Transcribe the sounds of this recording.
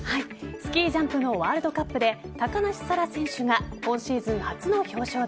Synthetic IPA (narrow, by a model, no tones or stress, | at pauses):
haisɨ̥kʲiːʑãmpɯ̟no̞βaːɾɯd̪o̞kapːɯ̟d̪e̞t̪akanaɕi̥saɾasẽ̞ɰ̃ɕɨɡakõ̞ɰ̃ɕiːzɨ̃ɰ̃hat͡sɨno̞ço̞ːɕo̞ː